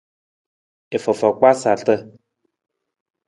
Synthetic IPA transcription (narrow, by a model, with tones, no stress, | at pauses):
e˨fə˨fɔ˨k͡pa˦sa˨ɬə˦